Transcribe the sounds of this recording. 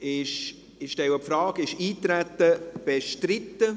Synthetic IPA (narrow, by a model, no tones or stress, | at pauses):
ɪʃ | ɪʃtɛwəpfɾɑːɡɪʃiːt̪ɾæt̪ːəb̥eʃtɾɪt̪ːə